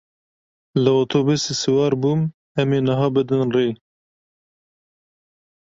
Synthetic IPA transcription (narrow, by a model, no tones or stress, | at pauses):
lɨoːt̪ʰoːbusesɨwɑːɾbuːm | ɛmeːnəɦɑːbɨd̪ɨnreː